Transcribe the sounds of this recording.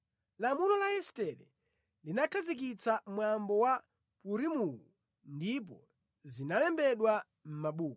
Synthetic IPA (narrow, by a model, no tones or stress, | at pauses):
lamulɔlaɛstɛlɛ | linakʰazik̬it͡samwambɔwa | puɾimuwu | ndip̬ɔ | zinalɛmbɛɗwa | m̩maɓuːkɔ